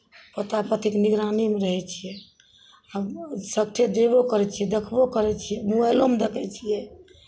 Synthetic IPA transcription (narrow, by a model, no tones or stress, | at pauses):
pət̪apət̪ʰikniɡɾanimeɾəɦɛt͡ʃʰijɛ | absək̚t̪ʰed̪ebokəɾɛt͡ʃʰijɛd̪əkʰbokəɾɛt͡ʃʰijɛmuɛlomd̪ekʰɛt͡ʃʰijɛ